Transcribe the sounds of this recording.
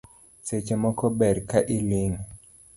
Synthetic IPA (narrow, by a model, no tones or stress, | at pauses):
set͡ʃemɔkɔbɛɾkaʔiliŋ